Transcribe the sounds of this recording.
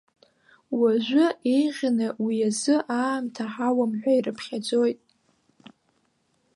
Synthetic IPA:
waʒʷʊejʁʲnawiazɨʔaːmtʰaħawamħʷᶣaiɾɨpʰχʲad͡zo̞jtʼ

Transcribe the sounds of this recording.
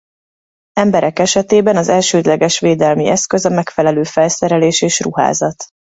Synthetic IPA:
ɛmbɛɾɛkɛʃɛt̪eːbɛnɒzɛlʃøːd̪lɛɡɛʃʋeːd̪ɛlmiʔɛskø̞zɒmɛkfɛlɛløːfɛlsɛɾɛleːʃeːʃruɦa̰ːzɒt̪

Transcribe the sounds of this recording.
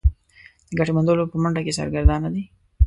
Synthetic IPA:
d̪̥əɡaʈemand̪olopəməɳɖakesɑ̰ɾɡəɾd̪ɑnːad̪i

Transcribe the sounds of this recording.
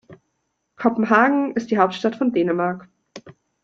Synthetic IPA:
kʰɔpm̩ɦaːɡŋ̩ʔɪstd̥iːɦaʊp̚tʃtatfɔndeːnəmaɐk

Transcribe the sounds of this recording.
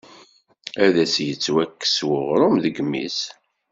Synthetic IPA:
æðæsjət͡sːwækːə̥swʊʁɾˤʊmðəɡmːḭs

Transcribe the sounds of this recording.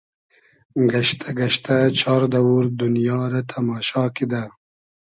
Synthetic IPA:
ɡɐʃt̪ʰaɡɐʃt̪ʰat͡ʃʰɑːɾd̪ɐwuɾd̪unjɑːɾat̪ʰɐmɑːʃɑːkid̪a

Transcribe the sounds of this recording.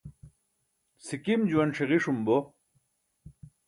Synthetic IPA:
sikimd͡ʑuɐnʂeʁiʂumbo

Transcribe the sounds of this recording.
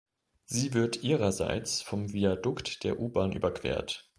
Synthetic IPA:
z̥iːvɪɐtʔiːʁɐza̰ɪt͡sfɔmviadʊktd̥eːɐʔuːbaːnʔy̰ːbɐkv̥ḛːɐt

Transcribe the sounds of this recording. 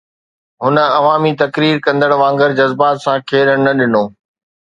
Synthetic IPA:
ɦʊnə̆ɐʋaːmit̪ɐkɾiːɾkɐ̃nd̪əɽʋãːŋɡəɾd͡ʑɐzbaːt̪sãkʰeːɾəɽ̃nɐɗɪnoː

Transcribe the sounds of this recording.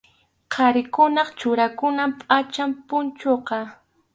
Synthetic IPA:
qʰɑɾɪkʊnɑχt͡ʃʊɾakʊnampʼat͡ʃampʊnt͡ʃoqɑ

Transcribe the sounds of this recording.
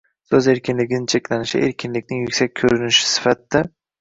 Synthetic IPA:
sɵzeɾkʲɪnlɪɡʲɪnɪt͡ʃʰekʲlanɪʃɪ̰ʔeɾkʲʰɪnlɪkʲnɪŋjʊkʲsak̚ʲʰːɵɾynɪʃɪ̥sɪ̥fat̪d̪ːɪ

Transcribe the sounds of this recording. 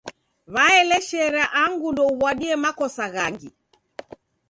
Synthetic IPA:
βaɛlɛʃɛɾaʔaŋɡundɔuβwaɗiɛmakɔsaɣaŋɡi

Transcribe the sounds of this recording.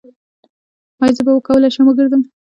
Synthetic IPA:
ɑjzəbawəkawəlaʃaməɡəɾd̪əm

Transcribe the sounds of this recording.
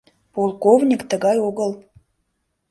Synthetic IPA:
polˠkovnʲikt̪əɣɑjoɣəlˠ

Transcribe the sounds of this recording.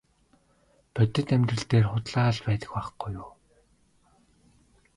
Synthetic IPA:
pœt̪ɘ̆t̪æmʲt̪rə̆ɬt̪eːrχʊt̪ɮaːɮpæːt̪ə̆xpaχɡujʊː

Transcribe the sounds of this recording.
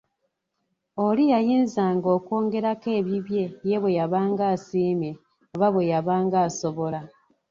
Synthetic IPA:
olijajiːnzaːŋɡo̞ːkwo̞ːŋɡe̞ɾake̞ːβiβje̞je̞βwe̞jaβaːŋɡaːsiːme̞ | oβaβwe̞jaβaːŋɡaːso̞βo̞la

